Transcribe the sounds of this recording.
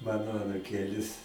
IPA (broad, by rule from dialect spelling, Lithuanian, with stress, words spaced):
ˈmɑːnoː ɐnʊˈkʲeːlʲɪs